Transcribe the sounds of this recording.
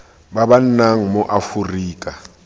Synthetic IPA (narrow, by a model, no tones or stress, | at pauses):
baβan̩naŋ̩mɔʔafuriːkʼa